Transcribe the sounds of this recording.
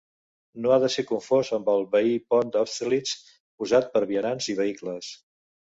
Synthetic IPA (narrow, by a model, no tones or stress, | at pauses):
noaðəsekuɱfozəmbəlˠβəipɔnd̪ɔst̪lit͡s | puzat̪̚pəɾβiənanziβəikləs